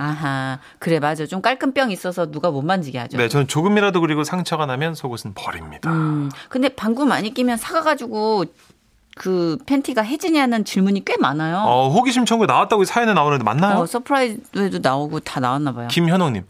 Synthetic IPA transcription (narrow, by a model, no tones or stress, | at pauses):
aɦa | kɯɾe̞mad͡ʑot͡ɕomk͈aɭkʰɯnp͈jʌŋis͈ʌsʰʌnuɡamʌnmand͡ʑiɡeɦad͡ʑone̞t͡ɕʌnɯnt͡ɕoɡɯmiɾadokɯɾiɡosʰaŋt͡ɕʰʌɡanamjʌnsʰoɡosʰɯnpʌɾimɲid̥aɯkɯndepaŋɡumaɲik͈imjʌnsʰaɡaɡad͡ʑuɡo | kɯpʰe̞ntʰiɡaɦe̞d͡ʑiɲianɯnt͡ɕiɭmuɲik͈we̞manajoʌɦoɡiɕʰimt͡ɕʰʌŋɡuenawat̚t͈aɡoisʰajʌnenaonɯdema̰nːajoosʰʌpʰɯɾaidoedonaoɡotanawanːabajokimçjʌnoŋɲim